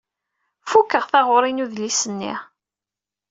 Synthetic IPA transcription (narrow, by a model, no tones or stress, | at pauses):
fukːəʁθaʁʊɾˤinuðlisənːḭ